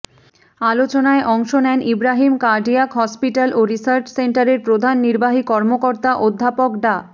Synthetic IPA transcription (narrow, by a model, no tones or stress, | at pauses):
alot͡ɕonaeʔɔŋʃonɛnʔibɾaɦimkaɾɖiakɦɔspiʈalʔoɾisaɾt͡ɕseɳʈaɾeɾpɾod̪ʱanːiɾbaɦikɔɾmokoɾt̪aʔod̪ʱːapokɖa